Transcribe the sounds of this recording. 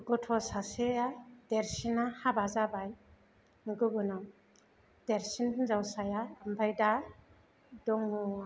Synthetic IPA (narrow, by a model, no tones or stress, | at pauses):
ɡɔtʰɔsasead̥eɾsinahabazabaj | nɡɯɡɯnɔ | d̥eɾsinhɯnzawsajaːmbʰajda | dɔŋːua